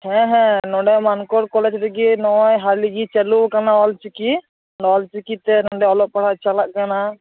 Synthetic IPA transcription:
hɛ̃ɦɛ̃nɔ̃ɖɛmankɔɽkɔlɛd͡ʒɾikinɔɔjɦaɾliɡit͡ʃɛlukanaɔlt͡ʃiki | nɔlt͡ʃikit̪ɛnɔɖɛɔlɔʔ̚paɽat͡ʃalaʔ̚kana

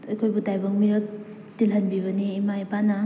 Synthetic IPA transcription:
ɐkʰojbutajbɐŋmiɾɐk̚ | tilɦɐnbiβɐniːmajbana

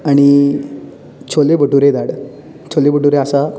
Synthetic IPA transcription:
aɽ̃i | t͡ɕʰolebʱəʈuɾed̪aɽ | t͡ɕʰolebʱəʈuɾeasa

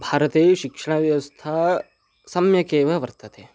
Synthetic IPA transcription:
bʱaːɾɐt̪eːʃikʂɐɽ̃aʋjɐʋɐst̪ʰaː | sɐmjɐkeːʋɐʋɐɾt̪ɐt̪eː

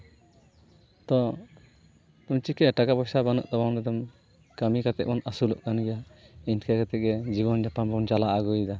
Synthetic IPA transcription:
t̪ɔ | t̪umt͡ʃikɛʈakabɔsabanɔ̰ʔt̪ɔbaŋɾɛd̪ɔm | kəmikat̪ɛʔ̚mɔnasulɔʔkanɡɛjaiɲkakat̪ɛʔ̚ɡɛd͡ʒiβɔnd͡ʒapambɔnt͡ʃalaʔaɡɔjd̪a

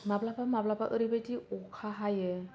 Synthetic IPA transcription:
mablapamablapaʔɯɾibajtiɔkʰaɦajɯ

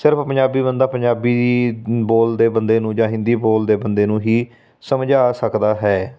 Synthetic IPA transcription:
sɪɾəpʰpə̃ɲd͡ʒaːbiːbənd̪aːpəɲd͡ʒaːbiːboːld̪eːbənd̪eːnũːd͡ʒãːɦɪ̃nd̪iːboːld̪eːbənd̪eːnũːɦiː | səmd͡ʒaːsəkd̪aːɦɛː

